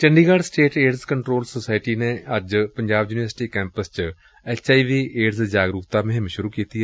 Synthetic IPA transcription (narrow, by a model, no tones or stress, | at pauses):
t͡ʃəɳɖiːɡaːɖsʈeːʈeːɾzkəɳʈɾoːlsoːsaːɪʈiːneːəd͡ʒpəɲd͡ʒaːbjuːniʋəɾsʈiːkɛ̃ːmpəst͡ʃ | ɛːt͡ʃaːiːʋiːʔeːɾzd͡ʒaːɡɾʊkt̪aːmɪ̃ɦmʃʊɾuːkiːt̪iːɛː